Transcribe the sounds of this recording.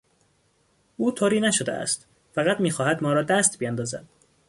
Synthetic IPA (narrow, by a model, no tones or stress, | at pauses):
ʔuːt̪ʰoːɾiːnæʃod̪ḛæ̰st̪ | fæɣæt̪miːxɒːhæd̪mɒːɾɒːd̪æst̪bijænd̪ɒːzæ̰d̪̥̚